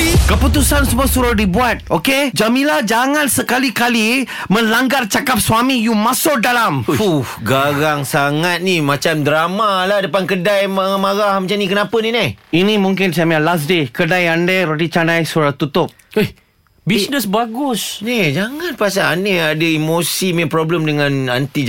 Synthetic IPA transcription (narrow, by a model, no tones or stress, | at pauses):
kəput̪usansəmuasuɾʊhdibuat̪̚oked͡ʒamilahd͡ʒaŋansəkalikalimə̃laŋɡart͡ʃakap̚swamijumasʊk̚dalamfuhɡaɣaŋsaŋat̪̚nimãt͡ʃamdɾamalahdapankədajmaamaɣahmət͡ʃanĩkənapəninajinĩmuŋkɪnsamialas̬dekədajandaɾotit͡ʃanajsuɾaht̪ut̪ʊp̚e | bisnəsbaɡʊsnid͡ʒaŋãnpasaːneadəimosimẽpɾɔbləmdəŋãna̰nt̪i